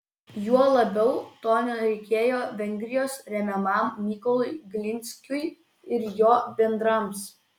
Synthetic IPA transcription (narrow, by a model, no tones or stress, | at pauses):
juɔlˠɐbʲɛʊt̪oːnʲoɾʲɛɪkʲeːjoːʋʲɛŋʲɡʲɾʲɪjoːsɾʲɛmʲɛmɐˑmːʲɪkɔlˠʊɪɡlʲɪnʲsʲkʲʊɪ | ɪɾjoːbʲɛnd̪ɾɐms